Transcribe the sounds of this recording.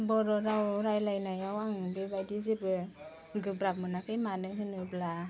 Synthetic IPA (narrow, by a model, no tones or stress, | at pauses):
bɔɾɔɾawɾajlajnajawaŋbebajdizibɯ | ɡɯbɾap̚mɯnakʰɯjmanɯɦɯnɯbla